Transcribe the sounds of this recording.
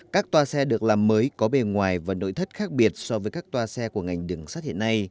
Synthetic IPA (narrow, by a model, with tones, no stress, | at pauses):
kaː˦˥k̚t̪waː˧sɛ˧ɗɨ˨˩ək̚laː˨˩mːəː˨˦jkɔ˨˦ɓe˧nŋwaː˨˩jvaː˨˩no̰˧˥˨jt̪ʰə˦˥t̚xaː˦˥k̚ɓi˨˩ət̚sɔ˧vəː˨˦jkaː˦˥k̚t̪waː˧sɛ˧ku˧˩əŋa˨˩jŋ̟ɗɨ˨˩ŋsaː˦˥t̚hḭ˧˨ə˨na˧j